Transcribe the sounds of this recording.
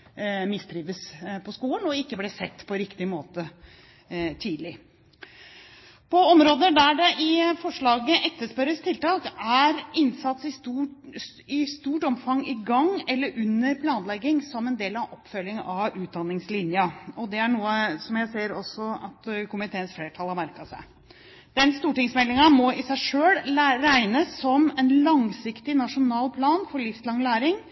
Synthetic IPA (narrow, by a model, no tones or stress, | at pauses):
mɪst̪ɾiːʋəspʰɔskuːnɔɪkːəblɛsɛt̪ːpʰɔɾɪkt̪ɪmoːt̪ə | t̪ʰiːd̪lɪ | pʰɔɔmɾoːd̪əd̪æɖɛʔɪfɔʂɭɑːɡəʔɛkt̪ːəʂpɛɾəst̪ʰɪlt̪ʰɑːkæɾɪnsɑt̪sɪu | ɪst̪uːʈɔmfɑŋɪɡɑŋːɛlːəɾʔʉnːəɾpʰlɑːnlɛɡːɪŋsɔmɛnd̪eːlɑʋʔɔpːfœljɪŋɑʋʉːt̪̚d̪ɑnːɪŋslɪnjɑɔd̪ɛæɳuːəsɔmjæɪseːɾɔsɔɑt̪kʰʊmɪt̪ʰeːənsfleːʈʰɑlhɑɾmæɾkɑsæ̰ɪ | d̪̥ɛnst̪uːʈɪŋsmɛlːɪŋɑmɔɪsæɪʂøːlɾæɪnəsːɔmɛnlɑŋsɪkt̪ɪnɑʂʊnɑːlpʰlɑːnfɔɭɪfslɑŋlæːɾɪŋ